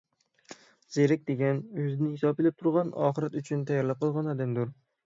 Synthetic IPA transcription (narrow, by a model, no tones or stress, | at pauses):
z̥eɾɪk̚ʲd̪eɡʲanɵzɪnɪhɪsɒpelɪp̚t̪ʰʊɾʁɑnɒ̰χɨɾat̪ʊt͡ʃʰʊnt̪ʰajaɾlˠɪp̚qʰɨlˠʁɑnad̪ɪnd̪ʊɾ